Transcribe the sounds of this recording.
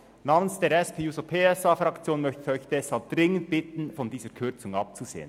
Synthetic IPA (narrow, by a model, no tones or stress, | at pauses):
naːmənsd̥eːɾɛspʰeːjuːsopʰeːɛsaːfʁɑkt͡sjoːnmœçtəœʏçd̥ɛshalp̚d̥ʁɪŋənt̚b̥ɪtn̩fɔndiːzəkʰʏʁt͡sʊŋɑp̚t͡suz̥ḛːə̰n